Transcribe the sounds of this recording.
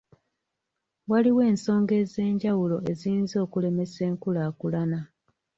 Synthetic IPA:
waliwe̞ːnso̞ːŋɡe̞ːze̞ːɲɟawulo̞e̞zinzo̞ːkule̞me̞se̞ːŋkulaːkulana

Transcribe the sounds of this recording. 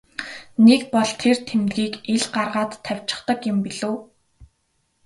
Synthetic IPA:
nekpɔɮt̪ʰert̪ʰemt̪ɡiːkeɮɢarʁaːt̪ʰːæw̥ʲt͡ɕɪ̥̆χt̪ə̆kjʊ̆mpiɮoː

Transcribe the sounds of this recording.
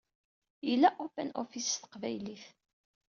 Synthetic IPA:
ilːæʔopæ̰nʔofisθə̥qvæjliθ

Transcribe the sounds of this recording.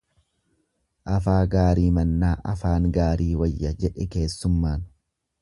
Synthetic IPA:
ʔɐfaːɡaːɾiːmɐnːaːʔɐfaːŋɡaːɾiːwɐjːɐd͡ʒɛᶑɛke̞ːsːʊmːaːn

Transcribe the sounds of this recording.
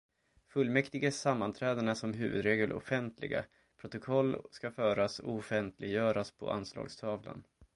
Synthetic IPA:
fɵlːmɛkt̪ɪɡəsamːant̪ʰɾɛːd̪əɳasɔmɦʉ̟̰ːvɵd̪ɾeːɡəlʔɔ̰fɛnt̪ʰlɪ̰ɡa̰ | pʰɾʊt̪ʊkʰɔlːskafœːɾasɔɔfɛnt̪ʰlɪɡjœːɾaspʰɔ̰a̰nslɑ̰ːɡst̪ʰɑːvla̰n

